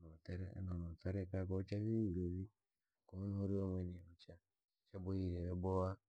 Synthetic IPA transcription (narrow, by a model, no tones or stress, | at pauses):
noteɾḛnonotaɾekakot͡ʃaβiiɾoβi | koonooɾiomeniot͡ʃa | t͡ʃabojiɾeβebowa